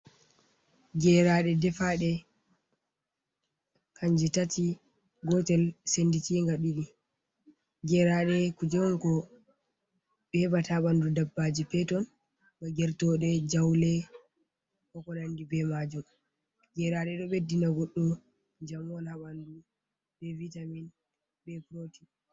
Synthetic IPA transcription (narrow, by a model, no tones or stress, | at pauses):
ɡɛɾaɗɛdɛfaɗɛ | kʰaɲd͡ʒɛtati | ɡɔtɛlsenditiŋɡaɗiɗi | ɡɛɾaɗɛkud͡ʒɛwnkɔ | ɓɛbataɓandudabːad͡ʒipɛtɔn | baɡɛɾtɔɗɛd͡ʒawlɛ | kɔkɔnandibɛmad͡ʒum | ɡɛɾaɗɛɗɔɓedinaɡɔɗːɔ | d͡ʒamɔnaɓandu | ɓɛvitamin | bɛpɾoti